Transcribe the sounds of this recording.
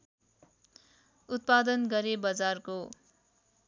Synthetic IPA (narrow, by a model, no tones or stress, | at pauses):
ut̪̚pad̪ʌnɡʌɾebʌd͡zarko